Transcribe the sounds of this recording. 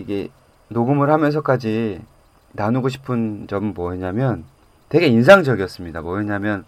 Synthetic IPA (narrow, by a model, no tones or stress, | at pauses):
iɡe̞̰ | noɡɯmɯɭhamjʌns̬ʰʌk͈ad͡ʑi | nanuɡoɕ̬ʰi̥pʰɯnd͡ʑʌmɯnmwʌɦeɲamjʌn | twe̞ɡe̞ins̬ʰaŋd͡ʑʌɡiʌs͈ɯmɲidamwʌeɲamjʌn